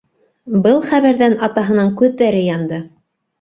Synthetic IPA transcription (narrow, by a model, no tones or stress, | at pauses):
bɤlˠχæβæɾðænɑt̪ɑɦɤ̆nɤɴkʉðːæɾɘjɑnd̪ɤ